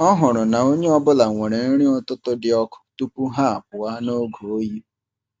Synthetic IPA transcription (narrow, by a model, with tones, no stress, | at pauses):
ɔ˦ɦʊ˨ɾʊ˨na˨o˦ɲe˦ɔ˦bʊ˦la˨ŋʷe˨ɾ̃e˨n̩˦ɾ̃ĩ˦ɔ˦tʊ˦tʊ˦dɪ˨ɔ˦kʊ̥˦tu˦pu˦ɦa˦a˨p̚ʊ˨a˦no˦ɡo˨˦ji˦